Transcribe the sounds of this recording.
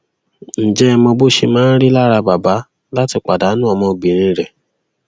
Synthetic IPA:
n̩˨d͡ʒɛ˦˧mɔ̃˧bo˦ʃe˧mãː˦n̩˦ɾi˦la˦ɾa˧ba˨ba˨˦ | la˦ti˧k͡pa˨da˨˦nũ˦ɔ˧mɔ̃˧ɡ͡bĩ˨ɾ̃ĩ˧ɾɛ˨

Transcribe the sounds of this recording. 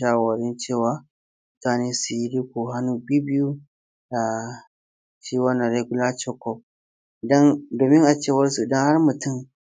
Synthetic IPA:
a˦˨wɔ˨ɾi˦nt͡ʃeː˦˨wa˦ | mʊ˦taː˦ne˦su˨ji˦di˦ku˨ɦa˦nu˨bi˦bi˦ju˦ | da˨ | ʃi˦wɐ˦na˨ɾe˦ɡu˦la˦t͡ʃɔ˦kɔ˨ | dɐ˦ndoː˨mi˦ŋʔa˨t͡ʃeː˦˨wɐ˦ɾsu˨dɐ˦ŋha˦ɾmʊ˨tʊ˦˨m

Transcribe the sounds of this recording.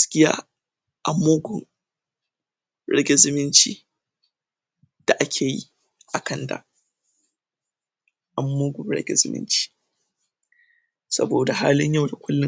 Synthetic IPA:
skʲɪ˦ja̰ː˦ | ʔa˨mːoː˦ɡʷʊ˨n | ɽɛ̰˦ɡʲɛ˦zɪ˦mɪ˦nt͡ʃḭː˦ | d̥a˨ʔa˦kʲʰeː˨jḭ˦ | ʔa˨kɐ˦nda̰˨ | ʔa˨mːoː˦ɡʷʊ˨mɽɛ̰˦ɡʲɛ̰˦zɪ̰˦mɪ̰˦nt͡ʃi̥ː˦ | sɐ̰˦boː˨da˨ɦaː˦lɪ˦ɲja˦˨wda˨kʷʊ˦lːɪ˦

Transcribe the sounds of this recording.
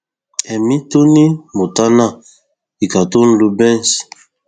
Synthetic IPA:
ɛ˨mi˦to˦ni˦mo˨ta˦na˦˨ | i˨ka˨to˦n̩˦lu˦bɛ˦n˨s

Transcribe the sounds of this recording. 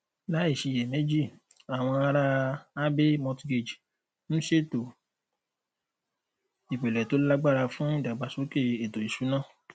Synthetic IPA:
la˨˦i˦˨ʃi˧˨jɛ˨mẽ˨˦d͡ʒi˦˨ | a˨w̃ɔ̃˧a˧ɾa˧a˦be˦mɔ̃˧tɡe˨d͡ʒ | nũ˦ʃe˦to˨ | i˨k͡pe˨lɛ˨to˨˦la˦ɡ͡ba˦˨ɾa˧fũ˦i˦˨da˨ɡ͡ba˨so˨˦ke˦˨e˨to˨i˨ʃu˨˦nã˦˨

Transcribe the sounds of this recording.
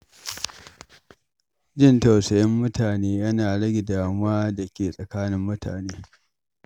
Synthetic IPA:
d͡ʒɪ˦˨ntɐ˨wsɐ˨jɐ˦mːʊ˦tʰaː˨neː˦jɐ˦naː˨ɽɐ˦ɡʲɪ˨daː˨mʊ˦waː˦dɐ˨kʲeː˨sʼɐ˨kaː˦nɪ˦mːʊ˦tʰa̰ː˨neː˦

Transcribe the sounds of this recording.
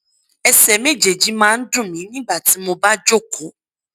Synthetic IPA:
ɛ˨sɛ˨me˦d͡ʒe˨d͡ʒi˦mãː˦n̩˦dʊ̃˦˨mĩ˨˦nĩ˦ɡ͡ba˦˨ti˨˦mo˧ba˦d͡ʒo˦˨kʰo˨˦

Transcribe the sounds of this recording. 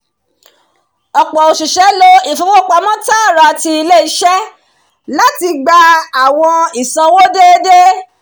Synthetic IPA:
ɔ˨k͡pɔ˨o˨ʃu˨ʃɛ˨˦lo˧i˦˨fu˨˦fo˦k͡pa˧˦mɔ̃˦ta˦a˦˨ɾa˨˧ti˧i˧le˦i˦ʃɛ˦ | la˦ti˧ɡ͡ba˧a˨w̃ɔ̃˧i˨sã˧wo˦de˦de˦

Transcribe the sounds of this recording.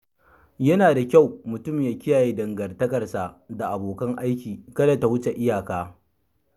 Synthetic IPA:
jɐ˦naː˨da˨kʲa˦˨wmʊ˨tʊ˦˨mjaː˦kʲɪ˦jaː˨jeː˦dɐ˨ŋɡɐ˨rtɐ˦kɐ˨rsa˨ʔda˨ʔa˨boː˨kɐ˦ŋʔa˦jkʲiː˨kɐ˦da˨ta˨hʊ˦t͡ʃe˨ʔɪ˦jaː˨kaː˦

